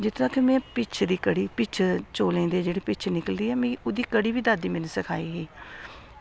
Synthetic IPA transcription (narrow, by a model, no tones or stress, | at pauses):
d͡ʒɪt̪ʰt̪aːkemɛ̃ːpɪt͡ʃʰd̪iːkəɽiːpɪt͡ʃʰt͡ʃoːlẽːnd̪eːd͡ʒeːɽiːpɪt͡ʃʰnɪkəld̪iːɛːmẽːoːd̪iːkəɽiːʋiːd̪ad̪iːmɛ̃ːnesəkʰaːiːɦiː